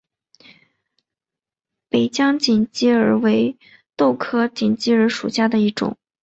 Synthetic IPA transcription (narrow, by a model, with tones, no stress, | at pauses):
pe˨˩ɪt͡ɕjɑ˥ŋt͡ɕi˨˩nt͡ɕi˥ə˞˨˩we˧˥ɪ | t̪o˥˩ʊkʰɤ˥t͡ɕi˨˩nt͡ɕi˥ə˞˧˥ʂṵ˨˩ɕja˥˩d̪ə˩i˥˩ʈ͡ʂʊ̰˨˩˦ŋ